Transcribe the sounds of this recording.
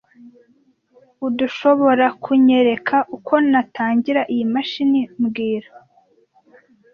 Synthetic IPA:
uduʃo̞βo̞ɾakʰuɲe̞ɾe̞kʰaʔukʰo̞nataːɲɟiɾaʔijimaʃinimɡiːɾa

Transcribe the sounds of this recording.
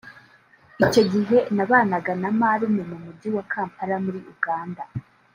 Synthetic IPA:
ico̞ɟiɦe̞naβaːnaɡanamaɾumemumuɟiwakʰaːmpaɾamuɾiʔuɡaːnda

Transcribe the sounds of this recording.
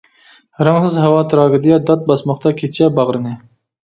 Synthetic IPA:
ɾɑŋsɨzɦɛwɑt̪ʰɨɾɑːɡɨd̪ɨjɑd̪ɑt̪̚bɑsmɑχt̪ɑkʲʰet͡ʃʰɛbɑʁɾɨnɨ

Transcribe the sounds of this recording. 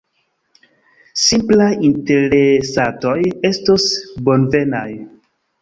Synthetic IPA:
simplajinteɾesato̞je̞stosbonve̞naj

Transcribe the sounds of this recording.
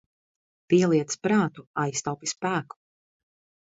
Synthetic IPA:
piɛlˠiɛt̪spɾaːt̪uajst̪awpispæːku̥

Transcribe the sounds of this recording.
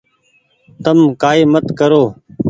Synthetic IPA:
t̪əmkaːiːmət̪kəɾoː

